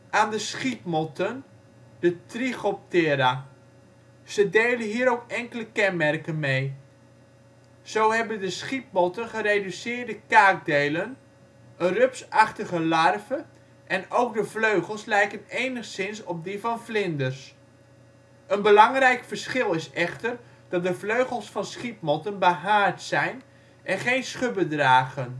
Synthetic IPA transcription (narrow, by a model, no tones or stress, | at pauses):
ʔaːndəsχipmɔtən | dətriχɔp̚tɪɾa | z̥ədeːlənɦiːɾowkɛŋkələkɛnmɛrkənmej | z̥owɦɛbəndəsχip̚mɔtənχəreːdysɪːrdəkaːk̚dejlən | ərøpsɑχtəɣəlɑrvə | ʔɛnowk̚dəvløɥχəlˠslɛjkənejnəχsɪnsɔp̚divɑnflɪndərs | ənbəlɑŋrɛjkfərsχɪlˠɪsɛχtər | d̥ɑt̚dəvløɥχəlˠsfɑnsχip̚mɔtənbaɦaːɹtsɛjn | ʔɛnχejnsχøbədraːɣən